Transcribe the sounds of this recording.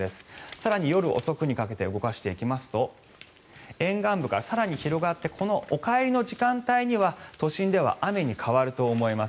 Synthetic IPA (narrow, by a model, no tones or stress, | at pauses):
e̞sɨ̥saɾaɲ̟ijo̞ɾɯ̟ʔo̰so̞kɯ̟ɲ̟ikake̞t̪e̞ɯ̟ɡo̞kaɕi̥t̪e̞ikʲimasɨ̥t̪o̞ | ẽ̞ŋɡãmbɯ̟ɡasaɾaɲ̟içiɾo̞ɡat̪ːe̞kʰo̞no̞ʔokaeɾʲino̞ʑikãnt̪aiɲ̟iβat̪o̞ɕĩnd̪e̞β̞a̰ʔame̞ɲ̟ikʰaβaɾɯ̟t̪o̞ːmo̞imas